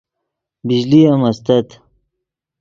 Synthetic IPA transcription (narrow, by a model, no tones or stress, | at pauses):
bid͡ʑliɐmɐst̪ɐt̪